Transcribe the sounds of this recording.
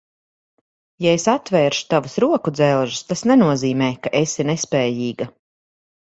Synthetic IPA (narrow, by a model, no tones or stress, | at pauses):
jaesat̪vɛːɾʃu̥t̪avusɾuɔkud̪zɛlˠʒust̪asnɛnuɔziːmɛːkaʔesiɾnɛspɛːjiːɡa